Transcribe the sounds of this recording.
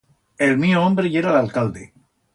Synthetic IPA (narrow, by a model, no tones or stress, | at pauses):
elmioõmbɾejeɾalalkald̪ḛ